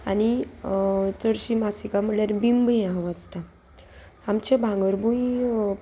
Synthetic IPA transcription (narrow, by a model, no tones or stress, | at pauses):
ani | t͡səɽɕimasikam̤əɽɭjaɾbimbəjãʋad͡zt̪a | amt͡ɕebʱãŋɡəɾbui